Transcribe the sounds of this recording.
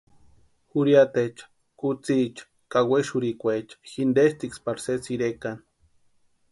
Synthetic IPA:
xuɾjat̪et͡ʃḁ | kut͡sit͡ʃḁ | kaweʃuɾikʷet͡ʃḁxind̪eʃt̪ikspaɾsesiɾekan

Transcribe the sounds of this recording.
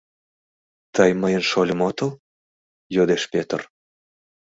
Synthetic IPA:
t̪əjməjə̆nʃolʲə̆mot̪əlˠ | jod̪eʃpʲet̪ə̰r

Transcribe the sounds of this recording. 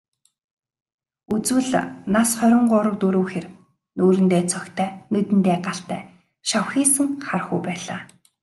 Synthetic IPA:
ut͡swɘ̆ɮnasχœɾʲɪ̆ɴɢʊːɾə̆k̚t̪ɵɾoːxer | noːɾɘ̆nt̪eːt͡sʰœkt̪ʰæːnɵt̪ɘ̆nt̪eːɢaɬt̪æ̰ː | ʃawxiːsɘ̆ŋχarχujpæːɮaː

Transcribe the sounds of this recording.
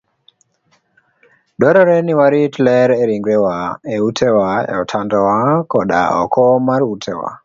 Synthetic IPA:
ɗɔɾɔɾɛniwaɾitlɛɾɛɾiŋɡwɛwaeutʰɛwaḛɔtʰandɔwakɔɗa̰ɔ̰kɔmaɾiutʰɛwa̰

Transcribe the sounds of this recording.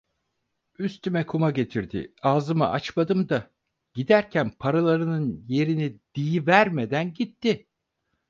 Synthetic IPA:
yst̪ymɛkʰumaɟe̞t̪ʰiɾd̪ɪ̰aːzɯma̰ʔat͡ʃmad̪ɯmd̪a | ɟ̥id̪æɾcʰænpʰaɾalˠaɾɯnɯnje̞ɾinid̪̥ijivæɾmed̪ænɟit̪ːɪ

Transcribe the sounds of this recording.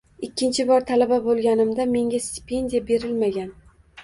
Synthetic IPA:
ɪkʲʰːɪnt͡ʃʰɪbɒɾt̪ʰalababolˠɡʲanɪmd̪ame̞ŋʲast̪ɪ̥pʰe̞nd̪ijabe̞ɾɪlmaɡʲan

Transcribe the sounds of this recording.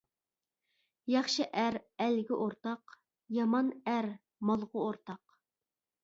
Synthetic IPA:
jɑχʃɨʔæɾælɡʲiʔoɾt̪ɑq | jɑmɑnæɾ | mɑlˠʁʊoɾt̪ʰɑq

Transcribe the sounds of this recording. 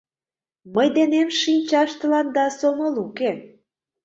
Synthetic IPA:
məjd̪enemʃinʲt͡ɕɑʃt̪ə̆lɑnd̪ɑsomɤluke

